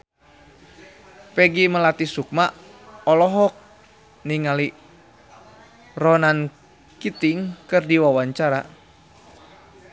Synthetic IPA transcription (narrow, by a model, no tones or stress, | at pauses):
pɛɡiməlat̪isuk̚ma | ɔlɔɦɔk̚ | niŋali | rɔnan | kit̪iŋkɨrdiwawaɲt͡ʃaɾa